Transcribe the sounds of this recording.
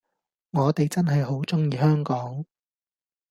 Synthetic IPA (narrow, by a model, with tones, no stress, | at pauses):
ŋɔː˨˧t̪e˨jt͡sɐ˥nɦɐ˨jɦo˨˥wt͡sʊ˥ŋjiː˨hœː˥ŋkɔː˨˥ŋ